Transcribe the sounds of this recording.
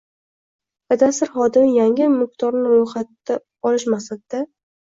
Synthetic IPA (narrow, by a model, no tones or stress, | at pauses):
bad̪asɪɾχɒd̪ɪmɪjaŋɪmʊqt̪ʰɒɾnɪɾojχat̪ːa | ɒlɪʃmasad̪̚d̪a